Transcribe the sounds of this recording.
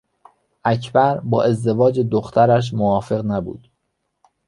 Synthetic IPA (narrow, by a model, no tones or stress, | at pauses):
ʔæcʰbæɾbɒːʔe̞zd̪e̞vɒːd͡ʒed̪oxt̪ʰæɾæʃ̬movɒːfe̞ɣnæbṵːd̪̥